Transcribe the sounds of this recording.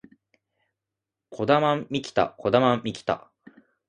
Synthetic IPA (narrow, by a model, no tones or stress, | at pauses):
kʰo̞d̪amãmmʲikʲi̥t̪a̰ko̞d̪amãmʲikʲi̥t̪a̰